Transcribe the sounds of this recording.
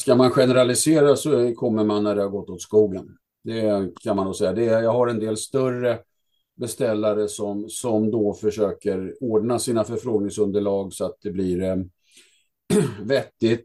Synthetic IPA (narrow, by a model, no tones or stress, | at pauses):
skamanɧɛnəɾalɪseːɾasɔkʰɔmːəɾmanːæɖɛhaɾɡɔt̪ːɔt̪skuːlan | d̪ɛkʰanmand̪osɛjːad̪ɛjɑːɡhaɾɛnd̪eːlst̪œrːə | bɛst̪ɛlːaɾəsɔmsɔmd̪ɔfœʂøːkəɾoːɖnasiːnafœɾfɾoːɡnɪŋsɵnd̪əɭɑːɡsɔat̪̚d̪ɛblɪɾ | vɛt̪ːɪt̪